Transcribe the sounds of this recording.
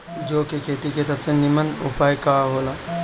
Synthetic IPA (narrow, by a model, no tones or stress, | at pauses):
d͡ʒoːkekʰeːt̪ikesɐpsenimənṵpaːjkaɦoːlaː